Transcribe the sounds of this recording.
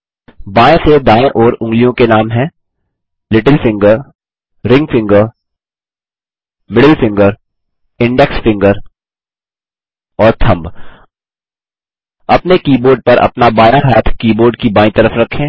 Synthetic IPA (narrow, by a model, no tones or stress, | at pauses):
baːẽsed̪aːɪʔɔːɾʊ̃ŋɡlijõkenaːmɦɛ̃ː | lɪʈəlfɪ̃ŋɡəɾ | ɾɪ̃ŋɡfɪ̃ŋɡəɾ | mɪɽəlfɪ̃ŋɡəɾ | ɪ̃ɳɖɛksfɪ̃ŋɡəɾ | ɔːɾt̪ʰɐ̃mb | ɐpnekiːboːɾɖ̚pɐɾʔɐ̰pnabaːjaɦaːt̪ʰkiːboːɾɖkibãːĩt̪ɐɾəfɾɐkʰːẽː